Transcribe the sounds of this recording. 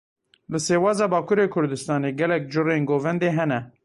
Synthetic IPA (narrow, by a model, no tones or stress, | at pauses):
lɨseːwɑːzɑːbɑːkʰuɾeːkʰʊɾd̪ɨst̪ɑːneːɡɛlɛk̚d͡ʒʊreːnɡoːvɛnd̪eːɦɛnɛ